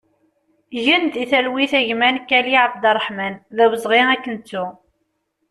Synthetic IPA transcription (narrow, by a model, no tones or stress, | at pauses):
ʝənt̪iθælwiθæʝmænkːæliʕabd̪ɑrˤːħmænðæwəzˤʁiækːənt͡sːu